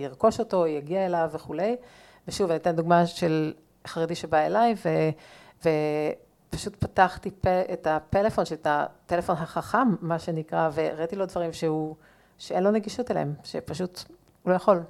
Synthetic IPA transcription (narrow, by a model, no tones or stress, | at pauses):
jiʁko̞ʃo̞to̞jaɡiaelavːeχule̞j | veʃuvanitenduɡmaʃel | χaʁediʃebaelajve | ve | paʃutpataχtipeetapelefo̞nʃeltatelefo̞nɦaχaχamːaʃe̞nikʁave̞ʁait̪ilo̞dvaʁimʃehu | ʃeenlo̞neɡiʃutelḛemʃepaʃut | lojaχo̞l